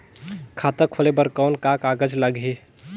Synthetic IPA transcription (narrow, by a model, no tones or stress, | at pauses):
kʰaːt̪əkʰolebəɾkɔːnkakaːɡəd͡ʒləɡɦe